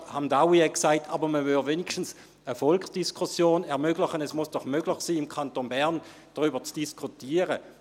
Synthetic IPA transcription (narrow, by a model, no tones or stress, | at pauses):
handawiɛksaɪtʰaːbəməvylveːnɪʃtn̩s | əfɔlksd̥iskʰusjoːnɛɐʁmøɡlɪχənɛsmʊsd̥ɔχmøɡ̥lɪχsiːɪmkʰantonbɛʁn | d̥əʁyːbət͡sd̥iskʰutiːəʁə